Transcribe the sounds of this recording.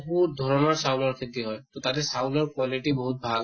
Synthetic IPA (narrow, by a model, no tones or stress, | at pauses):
puɹd̪ʱɔɹɔnɔɹsaʊ̃nɔɹkʰit̪ːiɦɔjt̪ɔtatɛsawnɔɹkwɔliʈibɔɦut̚bʱal